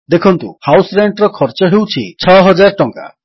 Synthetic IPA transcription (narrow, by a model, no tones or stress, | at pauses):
d̪ekʰɔnt̪ṵhawsɾeɳʈɔɾɔkʰɔɾt͡ʃɔɦewt͡ʃʰit͡ʃʰɔɦɔd͡ʒaɾʈɔŋka̰